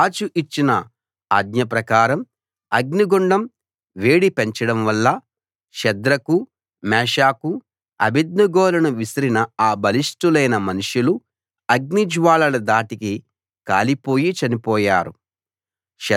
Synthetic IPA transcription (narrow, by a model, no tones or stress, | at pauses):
t͡ʃuʔit͡ʃːinɐ | ɐɡ̚ɲɐp̬ɾɐkaːɾɐm | ɐɡniɡoɳɖɐm | ʋe̞ːɽipeɲt͡ʃɐɽɐmʋɐlːɐ | ʃɐd̪ɾɐku | mɛːʂaːku | ɐ̰bid̪̚nɐɡɔːlɐnuʋisɐɾinɐaːbɐlisʈulɐjnɐmɐnuʂulu | ɐɡ̚nid͡ʒʋaːlɐlɐd̪aːʈiki | ka̰ːlipo̞ːjit͡ʃɐnipɔːjaːɾu | ʃɛ